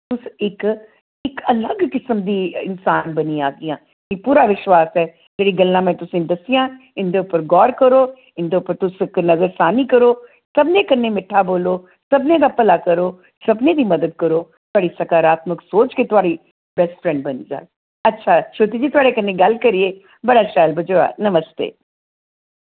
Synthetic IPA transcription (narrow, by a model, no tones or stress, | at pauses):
t̪ʊsɪk | ɪkələɡkɪsəmd̪iːɪnsaːnbənĩaːɡɪjãː | kĩpuːɾaːʋɪʃwaːsɛː | d͡ʒeːɽiːɡəlːãːmɛ̃ːt̪ʊsĩd̪əsijãː | ɪnd̪eːʊpːəɾɡɔːɾkəɾoː | ɪ̃nd̪eːʊpːəɾt̪ʊsɪknəzəɾsaːniːkəɾoː | səbneːkənːeːmɪʈʰːaːboːloː | səbnẽːd̪aːpəlaːkəɾoː | səbnẽːd̪iːməd̪əd̪̚kəɾoːt̪ʊaːɽiːsəkaːɾaːt̪məksoːt͡ʃket̪ʊaːɽi | bɛsʈfʰɾɛ̃ɳɖ̚bənḭːd͡ʒa̰ː | ətːʃʰaːʃoːt̪iːd͡ʒiːt̪ʊaːɽekənːeɡəlkəɾieː | bəɽaːʃaːlbʱəd͡ʒoa̰ːnəməst̪ḛː